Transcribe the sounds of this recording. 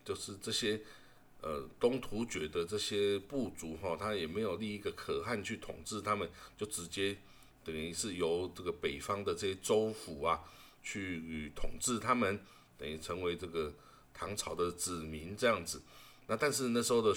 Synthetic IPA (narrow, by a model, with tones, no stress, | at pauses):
t͡ɕjo˥˧ʊʂɻ̩˥˩˧ʈ͡ʂɤ˥˩ɕjɛ˥ | ə˨t̪ʊ˥ŋt̪ʰu˧˥t͡ɕɥɛ˨˩d̪ə˨ʈ͡ʂɤ˥˩ɕjɛ˥pu˥˩t͡su˨˥xɔ˥˨t̪ʰa˥jɛ˨˩me˧˥ɪjo˨˩ʊli˥˧i˥˩ɡə˩kʰɤ˨˩xa˥˧nt͡ɕʰy˥˩t̪ʰʊ̰˨˩ŋʈ͡ʂɻ̩˥˩t̪ʰa˥mə˨nt͡ɕjo˥˩ʊʈ͡ʂɻ̩˧˥t͡ɕjɛ˥ | t̪ə˨˩ŋi˧˩ʂɻ̩˥˩jo˧˥ʊʈ͡ʂɤ˥˩ɡə˩pe˨˩ɪfɑ˥ŋd̪ə˨ʈ͡ʂɤ˥˧˩ɕjɛ˥t͡so˥ʊfu˨˥ɐ˨ | t͡ɕʰy˥˩˨t̪ʰʊ˨˩ŋʈ͡ʂɻ̩˥˩t̪ʰa˥mə˨n | t̪ə˨ŋi˧˩ʈ͡ʂʰə˧˥ŋwe˧˥ɪʈ͡ʂɤ˥˩ɡə˩ | t̪ʰɑ˧˥ŋt͡sʰɑ˨˩ʊd̪ə˦t͡sɹ̩˨˩mi˧˦nt͡sɤ˥˧jɑ˥˩ŋd͡zɹ̩˨˩ | na˥˧t̪a˥˧nʂ̬ɻ̩˥˧na˥˩ʂɻ̩˧˥xo˥˧ʊd̪ə˨˩